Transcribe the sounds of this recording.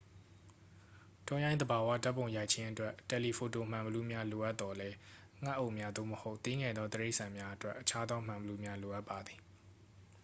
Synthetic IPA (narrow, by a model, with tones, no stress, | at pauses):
tɔ˦jã˦ɪ̃nd̪əba˨wa̰˦˨ta˦pːõ˨ja˨ɪʔt͡ɕʰɪ̃˦ʔətwɛ˦ʔtɛ˨li˨pʰo˨to˨m̥ã˨mbəlu˦mja˦lo˨ʔa˦t̪t̪ːɔ˨lɛ˦ | ŋ̥a˦ʔo˦˨ʔmja˦d̪o̰˦˨məho˦ʊʔt̪e˦ŋɛ˨d̪ɔ˦t̪əɹe˦ɪʔsã˨mja˦ʔətwɛ˦ʔːət͡ɕʰa˦d̪ðɔ˦m̥ã˨mbəlu˦mja˦lo˨ʔa˦pːa˨d̪ði˨